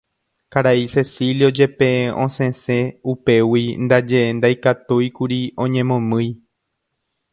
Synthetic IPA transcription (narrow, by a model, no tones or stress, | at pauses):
kaɾaise̞siljod͡ʒe̞pẽ̞ʔõsẽsẽupe̞wind̪ad͡ʒe̞end̪ajkat̪ujkuɾiõ̞ɲẽ̞mõ̞mɨ̃j